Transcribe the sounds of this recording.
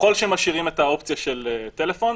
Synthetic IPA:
ko̞lʃeemaʃiʁimetao̞pt͡sijaʃeletelefo̞n

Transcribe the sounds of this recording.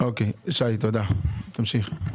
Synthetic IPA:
okeʃait̪od̪at̪amʃiχ

